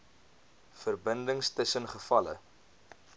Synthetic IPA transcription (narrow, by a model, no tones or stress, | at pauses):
fərbəndəŋstəsənχəfɐlə̰